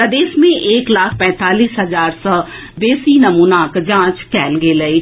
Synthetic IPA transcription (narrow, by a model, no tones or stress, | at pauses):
pɾɐd̪eːsmẽʔeːklaːkʰpɛ̃ːt̪aːliːsɦɐzaːɾsɔː | b̪eːsinɐmuːnakd͡ʒãːt͡ʃkɛːlɡelɐi